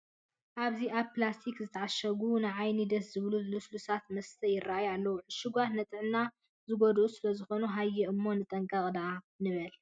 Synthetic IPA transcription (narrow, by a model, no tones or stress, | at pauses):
ʔaβziʔaβplast̪ʰikzɨt̪ʰɐʕaʃɐɡunɨʕajnid̪ɐszɨβluzluslusat̪mɐst̪ʰɐjɪɾːajalːɐwuʕɨʃɪɡʷat̪nɐt̪ʼɨʕnːa | zɨɡod̪usɨlɐzɨxo̞nuɦajːɛɨmːo̞nɨt̪ʼɐŋkʼɐqʼd̪a | nɨβɐl